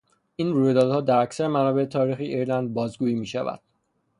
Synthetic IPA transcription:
ʔiːnruːjed̪ɒːd̪hɒːd̪æɾæcsæɾemænɒːbe̞et̪ʰɒːɾiːxiʔiɾlænd̪̚bɒːzɡuːiːmiːʃævæ̰d̪̥̚

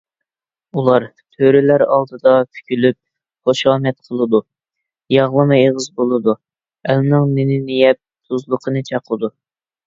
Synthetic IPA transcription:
ulˠɑɾ | t̪ʰøɾɪlæɾɑ̰lˠd̪ɨd̪ɑkʲʰy̥kʲʰylyp̚ | χoʃɑːmɛt̪̚qʰəlˠɨd̪u | jɑʁlˠɨmɨeʁəzbolˠɨd̪u | ɛlnɨŋmɪnɪnijɛp̚ | sʰuzlˠəqʰənɨt͡ʃʰɑqʰəd̪u

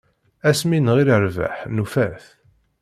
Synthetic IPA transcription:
æsminʁiɾəɾvæ̰ħnufæθ

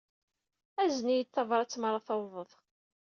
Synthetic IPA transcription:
æzənijət͡s̪ːɑvɾˤɑt͡sːmɾˤɑθɑwvˤəðˤ

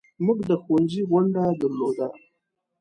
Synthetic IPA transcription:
mʊɡd̪əxund͡ʒiɣʷʊɳɖad̪əɾlod̪a

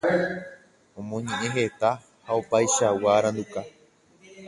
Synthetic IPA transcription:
õmõɲẽ̞ʔẽ̞ɦe̞t̪a | haopajʃawaɾãnd̪uka

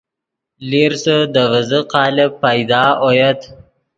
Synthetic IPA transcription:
liɾsəd̪əvəzəqɑːlɪpːajd̪ɑːʔojət̪

